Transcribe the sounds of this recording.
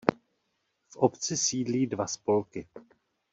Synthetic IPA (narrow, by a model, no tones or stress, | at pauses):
fʔopt͡sɪsiːdliːdvaspo̞lkɪ